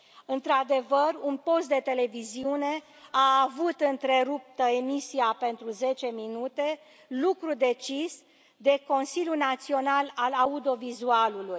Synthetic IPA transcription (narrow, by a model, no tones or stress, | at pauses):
ɨnt̪ɾad̪e̞vərunpo̞st̪̚d̪e̞t̪e̞le̞viziune̞ | aːvut̪ɨnt̪ɾe̞ɾup̚t̪əemisiape̞nt̪ɾuze̞t͡ʃe̞minut̪e̞ | lukɾud̪e̞t͡ʃis | d̪e̞ko̞nsilʲjunat̪sio̞nalalaud̪o̞vizualuluj